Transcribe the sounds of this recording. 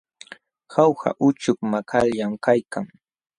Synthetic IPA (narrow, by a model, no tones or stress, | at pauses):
hawha̰ʔʊt͡ʃʊkmakʰaljamkajkaŋ